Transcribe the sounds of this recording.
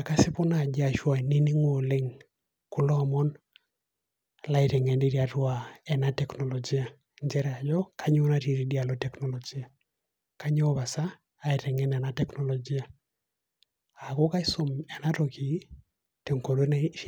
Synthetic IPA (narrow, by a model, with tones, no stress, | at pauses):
a˨ka˦si˦pɔ˦na˨d͡ʒa˨ʃwa˨ni˦ni˦ŋo˨le˦ŋ | ku˦lɔ˦˨mɔ˦n | la˦i˨ɾɛ˨ŋɛ˨ndi˦ɾia˨twa˨ɛ˨na˦tɛknɔ˨lɔ˨d͡ʒi˦a˨ | ɲd͡ʒɛ˦ɾɛ˨a˨d͡ʒɔ˦kʰa˦ɲ˦ɔ˦na˦ti˨ɾi˨di˦a˨lo˦tɛ˦kno˨lɔ˨d͡ʒi˦a˨ | ka˦ɲ˦ɔ˦βa˨saː˦ | i˨ɾɛ˨ŋɛ˦nɛ˨na˦tɛ˦knɔ˨lɔ˨d͡ʒi˦a˨ | a˨ko˦ka˦i˦so˦mɛ˨na˦to˨ki˨ | te˨ŋko˨ɾo˦n